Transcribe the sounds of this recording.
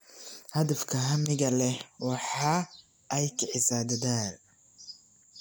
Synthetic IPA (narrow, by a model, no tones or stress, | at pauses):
hɐðɐfkʰɐɦɐmɪɣɐlɛwɑħɑː | ʔɛjkʰɐʕɪsaːd̪ɐðaːn